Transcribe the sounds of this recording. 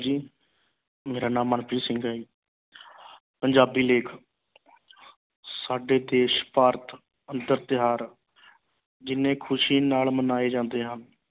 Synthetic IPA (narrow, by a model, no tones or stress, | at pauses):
d͡ʒiː | meːɾaːnãːmːənpʰiːsɪ̃ŋɡaːiː | pəɲd͡ʒaːbiːleːkʰ | saːɖeːd̪eːʃpaːɾt̪ | ənd̪əɾt̪ɪɦaːɾ | d͡ʒɪnẽːkʰʊʃiːnaːlmənaːeːd͡ʒãːnd̪eːɦən